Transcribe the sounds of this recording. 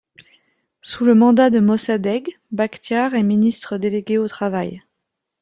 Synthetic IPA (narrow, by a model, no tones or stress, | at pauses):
suləmɑ̃d̪ad̪əmɔsad̪ɛɡ | bakt̪jaʁɛminist̪χəd̪eleɡʲeot̪χavaj